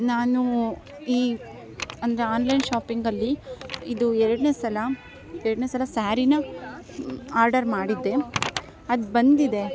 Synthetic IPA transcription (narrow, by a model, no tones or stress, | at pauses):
naːnu | iː | ɐnd̪ɐɾe̞aːnlɐjnʃaːpiŋɡɐlːiid̪uɛɾɐɽne̞ːsɐlɐ | ɛɾɐɽneːsɐlɐsaːɾinɐ | aːɾɖɐɾmaːɽid̪ːe̞ | ɐd̪bɐnd̪id̪e̞